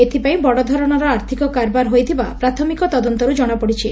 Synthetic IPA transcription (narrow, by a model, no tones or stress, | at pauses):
et̪ʰipaĩbɔɽɔd̪ʱɔɾɔɽ̃ɔɾɔaɾt̪ʰikɔkaɾbaɾɦojt̪ʰibapɾat̪ʰɔmikɔt̪ɔd̪ɔnt̪ɔɾud͡ʒɔɽ̃apɔɽit͡ʃʰi